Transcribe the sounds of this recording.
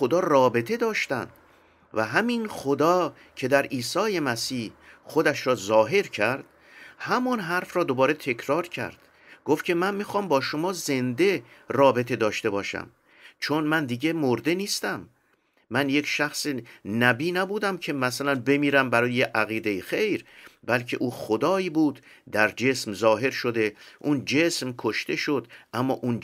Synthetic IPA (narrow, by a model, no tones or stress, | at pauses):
xod̪ɒːrɒːbe̞t̪ʰe̞d̪ɒːʃt̪æ̰nd̪̥ | væɦæminχod̪ɒː | cʰe̞d̪æɾiːsɒːje̞mæsiːhxod̪æʃɾɒːzɒːɦe̞ɾcʰæɾd̪̥ | hæmɒnɦæɾfɾɒːd̪o̞bɒːɾe̞t̪ʰe̞cʰɾɒːɾcʰæ̰ɾd̪̥ | ɡ̥oft̪kcʰe̞mænmiːxɒːmbɒːʃomɒːze̞nd̪e̞rɒːbe̞t̪ʰe̞d̪ɒːʃt̪e̞bɒːʃæ̰m | t͡ʃʰonmænd̪iːɟe̞moɾd̪e̞niːst̪æmː | ænjecʰʃæxsenæbiːnæbuːd̪æmcʰe̞mæsælænbe̞miːɾæmbæɾɒːjejeʔæɣiːd̪e̞jixejɾbælcʰe̞̰ʔuːxod̪ɒːiːbuːd̪ | d̪æɾd͡ʒe̞smzɒːɦe̞ɾʃod̪e̞ʔund͡ʒe̞smkʰoʃt̪e̞ʃo̞d̪ʔæmːɒ̰ːʔun